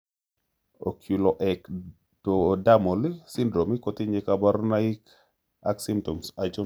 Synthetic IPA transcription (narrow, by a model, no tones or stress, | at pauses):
ɔkʰilɔʔɛk | tɔdamɔlisindɾomikɔtiɲɛkabaɾnaik | ʔaksimtɔmsad͡ʒɔ